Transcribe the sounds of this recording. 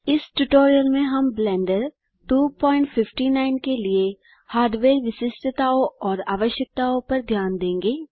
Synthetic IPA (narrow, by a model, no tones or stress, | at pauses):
ɪsʈuʈoːɾijəlmẽɦɐmblɛ̃ːɳɖəɾ | ʈuːpɔːɪ̃ɳʈfʰɪfʈinaːɪnkelie | haːɾd̪ʋeːɾʋɪsɪsʈʰt̪aːõɔːɾa̰ːʋəʃjək̚t̪aːõpɐɾd̪ʱjaːnd̪ẽːŋɡeː